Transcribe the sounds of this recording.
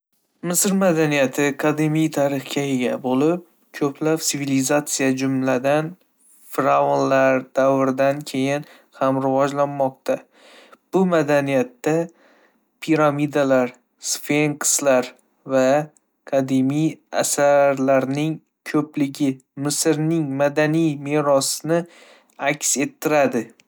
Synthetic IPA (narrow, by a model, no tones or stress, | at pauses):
mɪsɾmad̪anijat̪ʰɪkʰad̪imijt̪ʰaɾɪχkʲaeɡʲabolɪp̚ | kʰɵpʰlapsɪvilizat̪sijad͡ʒʊmlad̪an | fɾavonlaɾd̪̥avɾɪd̪ankʲʰe̞jɪn | hamɾɪvɒd͡ʒlanmɒq̚t̪ʰa | b̥ʊmad̪anijat̪ːa | pʰiɾamid̪alaɾ | sfe̞ŋkslaɾ | va | kʰad̪imija̰saɾlaɾnɪŋ | kʰɵplɪɡʲɪmɪsɪɾnɪŋmad̪anijme̞ɾɒsnɪ | akʲse̞t̪ʰːɪɾad̪ɪ